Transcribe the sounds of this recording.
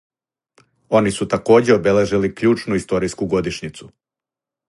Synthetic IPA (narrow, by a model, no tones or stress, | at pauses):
o̞nisut̪ako̞ːd͡ʑeo̞be̞le̞ʒilikʎuːt͡ʃnuist̪o̞ɾiskuɡo̞d̪iʃɲit̪su